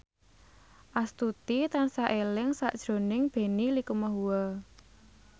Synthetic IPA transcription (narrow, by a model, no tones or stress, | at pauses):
ʔast̪ut̪it̪ansaʔelɪŋsaʔd̥ʒ̥ɾo̤nɪŋb̥e̤nilikumaɦuwɔ